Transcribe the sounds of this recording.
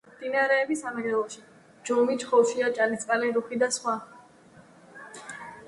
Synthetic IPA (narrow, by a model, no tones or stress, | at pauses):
d̪̥inaɾɛːbisamɛɾɛlˠɔʃi | d͡ʒɔmit͡ʃχɔʃiat͡ʃʼalist̪ʼqʼalɛɾuχid̪asχwa